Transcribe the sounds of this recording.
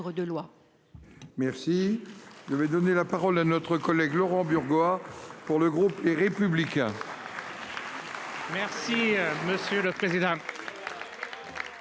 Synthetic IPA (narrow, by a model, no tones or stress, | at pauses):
ʁəd̪əlwa | mɛʁsiʒəvɛd̪ɔnelapaʁɔlanɔt̪χəkɔlɛɡlɔʁɑ̃byʁɡwapuʁləɡʁupleʁepyblikʲɛ̃ | mɛʁsiməsjøləpχezid̪ɑ̃